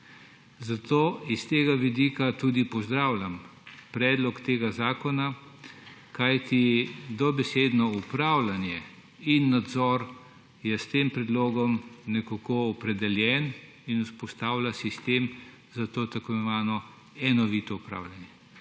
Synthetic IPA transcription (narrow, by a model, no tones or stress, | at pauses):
zat̪oːist̪eːɡaʋid̪iːkat̪uːd̪ipɔzd̪ɾaːwlʲampɾɛːd̪lɔkt̪eːɡazaːkɔna | kajt̪id̪ɔbɛsed̪nɔupɾaːwlanjɛ | inːad̪zɔɾ | jɛst̪empɾɛd̪loːɡɔmnɛkokoːpɾɛd̪ɛljɛn | inuspɔst̪aːwlʲasist̪em | zat̪oːt̪ɐkɔɛʋaːnɔ | ɛnɔʋit̪ɔupɾa̰ːwlanjɛ